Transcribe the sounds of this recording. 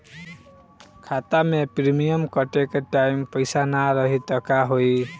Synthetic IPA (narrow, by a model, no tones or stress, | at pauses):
kʰat̪amepɾimijəmkʌʈekaʈaimpəjsanaɾʌɦit̪ʌkaɦoj